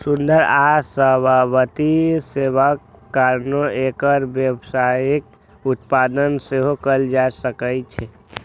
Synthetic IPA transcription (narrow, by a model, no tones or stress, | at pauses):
sund̪əɾasəbʱabət̪isebəkːaɾnoekəɾbjəbsaik̚ | ut̪̚pad̪ənseɦokəld͡ʒasəkəjt͡ʃʰɛ